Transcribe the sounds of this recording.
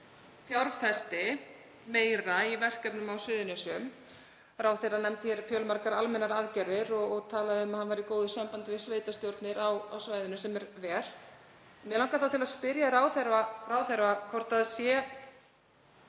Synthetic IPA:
θjawɾfɛst̪ɪ | meːjɾaivɛr̥kɛpnʏmawsʏːðɪnʏsʏm | ɾaːwθejrːanɛmt̪ɪçɛɾfjœːlmaɾkaɾalmɛnːaɾaðcɛɾðɪɾɔɣɔɣt̪ʰaːlaðɪʏmaðhanvaɾikoːwðʏsampant̪ɪvɪ̥sveːjt̪ast̪jowɾt̪nɪɾawa̰wsvaːjðʏnʏsɛmɛɾvɛɾ̥ | mɛlawŋkaθawt̪ʰɪlaðspɪɾjaɾaːwθɛɾvaraːwθɛɾvakʰɔɾ̥t̪aðsjɛ

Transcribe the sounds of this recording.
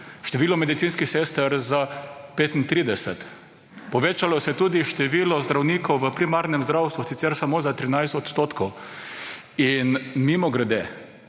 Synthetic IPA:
ʃt̪ɛʋiːlɔmɛd̪it̪sinskisest̪əɾzapeːt̪int̪ɾiːd̪ɛsɛ̰t̪ | pɔʋeːt͡ʃalɔsɛt̪uːd̪iʃt̪ɛʋiːlɔzd̪ɾawniːkɔwʋəpɾimaɾnɛmzd̪ɾawst̪ʋusit̪sɛɾsamoːzat̪ɾinajst̪ɔt̪st̪oːt̪kʰɔw | inmimɔɡɾad̪eː

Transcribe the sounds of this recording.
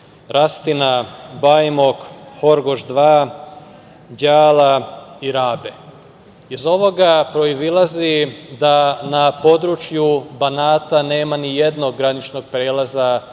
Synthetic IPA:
ɾast̪inabajmokhoɾɡoʒd̪ʋaː | ɟaːlaiɾaːbe | izo̞ʋo̞ɡapɾo̞izilˠazid̪anapo̞d̪ɾut͡ʃjubanaːt̪ane̞ːmanije̞d̪no̞ɡːɾanit͡ʃno̞ɡ̚pɾeːlˠaza

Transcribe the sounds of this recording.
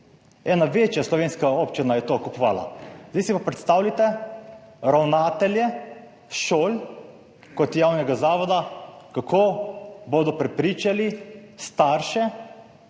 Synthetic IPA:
ɛːnaʋet͡ʃjaslɔʋeːnskaoːpt͡ʃinajɛt̪okupɔʋa̰ːla̰zd̪isipapɾɛt̪st̪aːwlit̪ɛ | ɾawnaːt̪ɛljɛ | ʃoːl | kɔt̪jawnɛɡazaːʋɔd̪akakʰoːboːd̪ɔpɾɛpɾiːt͡ʃalist̪aːɾʃɛ

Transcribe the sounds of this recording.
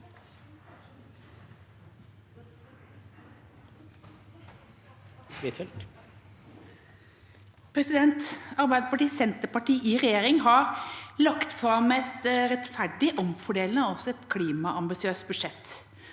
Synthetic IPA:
ɪt̪ʰɛlt̪ | pʰɾɛsɪd̪ɛnt̪ɑɾbæɪd̪əpɑʈiːsɛnt̪əpɑʈiːʔiːʁɛjeːɾɪŋɦɑɾlɑkt̪fɾɑmɛɛt̪ɾɛt̪fæɖɪʔɔmfɔɖeːln̩əɔsɔɛt̪kʰliːmɑɑmbɪsɪøːs̚bʉʂɛt̪ː

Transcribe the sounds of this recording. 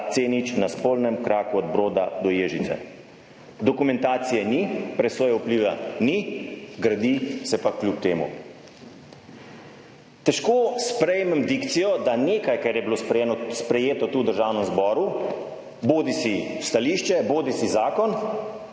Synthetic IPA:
t̪seːnit͡ʃnaspolnɛmkɾaːkuɔd̪bɾoːd̪ad̪ɔjeːʒit̪sɛ̰ | d̪ɔkumɛ̃nt̪aːt̪sijɛnipɾɛsɔːjaupliːʋɛniɡɾad̪isɛpaklʲupt̪eːmṵ | t̪ɛʃkoːspɾɛjmɛmd̪ikt̪sijɔd̪aneːkajkɛɾjɛbilosɾenspɾɛjeːt̪ɔt̪uːd̪əɾʒaːwnɛmzbɔːɾu | boːd̪isist̪aliʃt͡ʃɛboːd̪isizaːkɔn

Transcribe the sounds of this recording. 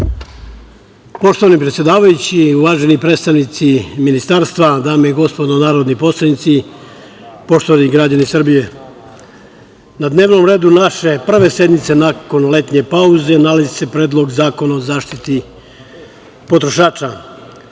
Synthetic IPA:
po̞ʃt̪o̞ʋanipɾet̪sje̞d̪aːʋajut͡ɕiuʋaːʒe̞nipɾet̪st̪aʋnit̪siminist̪aɾst̪ʋad̪aːmeiɡo̞spo̞d̪onaːɾod̪nipo̞slˠanit̪si | po̞ʃt̪o̞ʋaniɡɾad͡ʑanisr̩bije̞ | nad̪neːʋno̞mɾe̞ːd̪unaʃe̞pr̩ʋe̞se̞d̪nit̪se̞nako̞nle̞t̪ɲe̞pauze̞nalazise̞pɾeːd̪lˠo̞ɡzaːko̞naozaːʃt̪it̪i | po̞t̪ɾo̞ʃaːt͡ʃa

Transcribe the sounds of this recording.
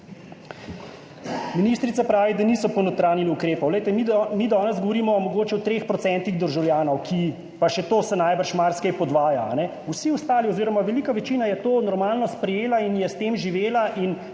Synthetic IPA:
miniːst̪ɾit̪sapɾaːʋid̪aniːsɔpɔnot̪ɾaːniliukɾeːpɔwlɛjt̪ɛmmid̪ɔːnɛzɡɔʋɔɾiːmɔːmɔɡoːt͡ʃɛɔt̪ɾeːxpɾɔsɛnt̪iɣd̪əɾʒawljaːnɔwkʰi | paʃɛt̪oːsɛnajbəɾʃmaɾskɛjpɔd̪ʋaːjaa̰nɛ | usiɔst̪aːliɔziːɾɔmaʋɛliːkaʋɛt͡ʃiːnajɛt̪oːnɔɾmaːlnɔspɾɛjeːlainjɛst̪eːmʒiʋeːlaʔin

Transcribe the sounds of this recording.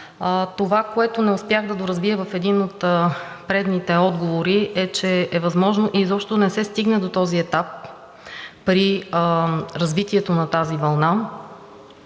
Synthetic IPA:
t̪ovakoɛt̪onɛʊspjaɣd̪ɐd̪oɾɐzviɛvɐfɛd̪inot̪ | pɾɛd̪nit̪ɛɔd̪ɡovoɾiɛt͡ʃɛːvɐzmɔʒnoʔizɔpʃt̪onɛsɛst̪iɡnɛd̪ot̪ɔziɛt̪apː | ɾi | ɾɐzvit̪iɛt̪onɐt̪azivɐlˠna

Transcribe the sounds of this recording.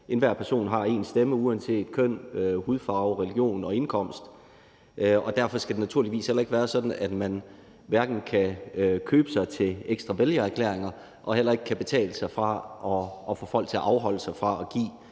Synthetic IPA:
ʔe̝nʋæɐ̰pʰæɐso̝̰ːnɦɑ̈e̝̰ːnsd̥eməuænse̝̰ːd̥kʰœn̰øhuðˠfɑ̈ʊʁɛliɡ̥jo̝̰ːnɒ̽e̝nkʰɒ̽m̰sd̥ | ʔɒ̽d̥æɐfɒ̽sɡ̥æd̥e̝næt͡sʰuɐliʋḭːshelɐe̝ɡ̥əʋæːɐsɒ̽d̥n̩æd̥mæn | ʋæɐɡ̥n̩kʰækʰøːb̥əsɑ̈ɪt͡sʰe̝eɡ̥sd̥ʁɑ̈ʋeljɐæɐkʰlḛːɐ̰eŋɐ | ʔɒ̽hel̰ɐe̝ɡ̥ə̥kʰæb̥e̝t͡sʰɛ̰ːləsɑ̈ɪfʁɑ̈ʔɒ̽ɒfɔ̰ːfɒ̽l̰ɡ̥̚t͡sʰe̝æʔɑ̈ʊɦɒ̽l̰əsɑ̈ɪfʁɑ̈ʔɒ̽ɡ̥ḭː

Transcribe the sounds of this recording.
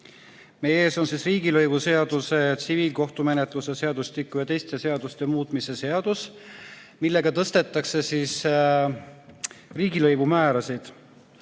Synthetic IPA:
me̞je̞ːso̞nsisriːɡ̥ilɤjvuse̞ɑd̪̥uset̪siviːlko̞ht̪ume̞net̪ˑlusese̞ɑd̪ust̪ikːˑujɑt̪e̞jst̪e̞se̞ɑd̪̥ust̪emuːt̪ˑmise̞se̞ɑd̪̥us | milːe̞ɡ̥ɑt̪ɤst̪e̞t̪ːˑɑkse̞sis | riːɡilɤjvumæːɾɑsid̪̥

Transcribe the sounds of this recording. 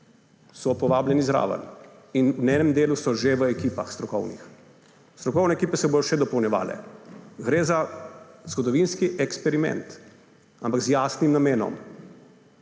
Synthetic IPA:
sɔpɔʋaːblʲjɛnizɾa̰ːʋə̰n | innɛːnɛmd̪eːlusɔʒeʋəɛkiːpaxst̪ɾɔkɔwnḭx | st̪ɾɔkɔwnɛːkiːpɛsɛboːd̪ɔʃɛd̪ɔpɔwnʲjɛʋa̰ːlɛ̰ɡɾeːzaz̥ɡɔd̪ɔʋinskiʔɛkspɛɾimɛ̰nt̪ | ampaɡzjaːsnimnameːnɔ̰m

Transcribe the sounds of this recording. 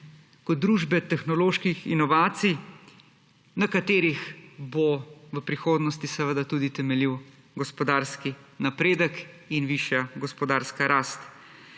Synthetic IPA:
kɔt̪̚d̪ɾuːʒbɛt̪ɛxnɔloːʃkixḭnɔʋaːt̪sij | nakat̪eːɾixboʋəpɾixoːd̪nɔst̪isɛʋəd̪at̪uːd̪it̪ɛmɛliw | ɡɔspɔd̪aːɾskinapɾeːd̪ək | inʋiʃjaɡɔspɔd̪aːɾskaɾʔaːst̪

